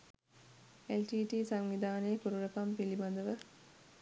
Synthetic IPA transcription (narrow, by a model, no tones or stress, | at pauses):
elʈiːʈiːsaŋʋid̪aːnejəkuɾuɾəkampiliband̪əʋə